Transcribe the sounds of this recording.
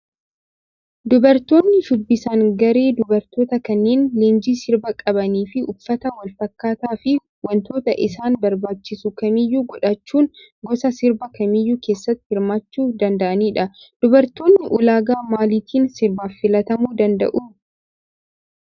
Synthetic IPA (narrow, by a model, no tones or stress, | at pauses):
d̪ʊbɐɾt̪o̞ːnːɪʃʊbːɪsaːŋɡɐɾe̞ːd̪ʊbɐɾt̪o̞ːt̪ɐkɐnːeːnle̞ːnd͡ʒiːsɪɾbɐkʼɐbɐniːfɪʊfːɐt̪ɐwɐlfɐkːaːt̪aːfɪ | wɐnt̪o̞ːt̪ɐʔɪsaːnbɐɾbaːt͡ʃːɪsukɐmiːjːuːɡɔᶑɐt͡ʃːuːn | ɡɔsɐsɪɾbɐkɐmiːjːuːke̞ːsːɐt̪ːɪhɪɾmaːt͡ʃːuːd̪ɐnd̪ɐʔɐniːᶑɐ | d̪̥ʊbɐɾt̪o̞ːnːɪʔʊlaːɡaːmaːliːt̪ʰiːnsɪɾbaːfːɪlɐt̪ɐmuːd̪ɐnd̪ɐ̰ʔuː